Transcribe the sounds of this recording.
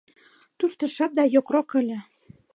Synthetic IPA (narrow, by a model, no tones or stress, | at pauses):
t̪uʃt̪ɤ̆ʃɑp̚d̪ɑjokrokɘ̆lʲĕ